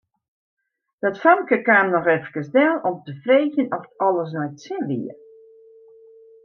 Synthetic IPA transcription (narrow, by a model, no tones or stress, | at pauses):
d̥ɔtfɔŋkəkaːmnɔxɛfkəsdɛlɔmtəfreːxjənɔftɔlˠəs̬nɔjtsɪnʋḭə